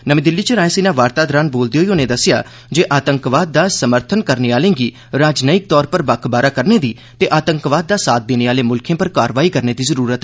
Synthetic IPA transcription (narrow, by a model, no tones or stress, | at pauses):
nəmĩːd̪ɪlːiːt͡ʃəɾaːẽsiːnãːʋaːɾt̪aːd̪ɾaːnboːld̪eɦoːionẽːd̪əsɪja̰ː | d͡ʒeːʔaːt̪əŋkʋaːd̪̚ːaːsəməɾt̪ʰənkəɾneːaːlẽːɡiː | ɾaːd͡ʒnəɪk̚t̪ɔːɾpəɾbəkʰbaːɾaːkəɾneːd̪iː | t̪eːʔaːt̪əŋkʋaːd̪̚ːaːsaːt̪̚d̪eːneːaːleːmʊlkʰẽːpəɾkaːɾʋaːiːkəɾneːd̪iːzəɾuːɾət̪ɛ